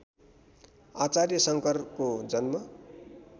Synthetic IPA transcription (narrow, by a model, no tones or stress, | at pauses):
at͡sarjʌsʌŋkʌrkod͡zʌnmʌ